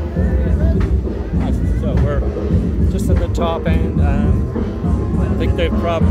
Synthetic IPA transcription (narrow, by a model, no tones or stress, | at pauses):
aɪssowə˞ | d̥ʒ̥ʌstɨ̃nðɨtʰɔpɨ̃nʌ̃m | aɪθɪ̃ŋk̚ðeɪpʰɹ̥ɑb